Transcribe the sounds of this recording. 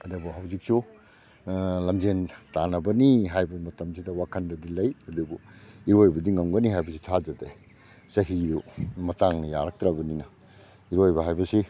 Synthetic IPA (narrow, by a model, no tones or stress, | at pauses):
ɐdɐbuɦɐwzik̚su | lɐmd͡ʒentanɐbɐniɦajbɐmɐtɐms̬idɐwakʰɐndɐdilɐjɐdubuiɾojbɐdiŋɐmɡɐniɦajbɐsi̥tʰad͡ʒɐde | sɐɦiɾumɐtaŋnɐjaɾɐk̚tɾɐbɐninɐ | iɾojbɐɦajbɐsi